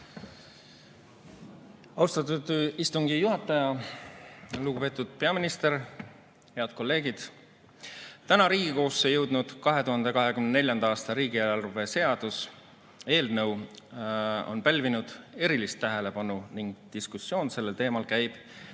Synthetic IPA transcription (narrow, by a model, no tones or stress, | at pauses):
ɑwst̪ɑt̪ːud̪ist̪uŋɡ̥ijuɦɑt̪ːˑɑjɑ | luɡupe̞ːt̪ːˑud̪̥̚pe̞ɑminist̪e̞ɾ | he̞ɑd̪̥̚ko̞lːe̞ːɡ̥id̪̥ | t̪ænɑɾiːɡiko̞ːsːejɤ̞wd̪̥nud̪̥kɑɦe̞t̪uɦɑnd̪̥e̞kɑɦe̞kymnene̞lʲjɑnd̪ɑɑːst̪ɑɾiːɡieɑrve̞se̞ɑd̪̥us | e̞ːld̪nɤw | o̞̰npælʲvinud̪̥e̞ɾilist̪ːæɦe̞le̞pɑnuniŋɡ̥̚t̪iskusːjo̞ːnse̞lːelt̪eːmɑlkæjb̥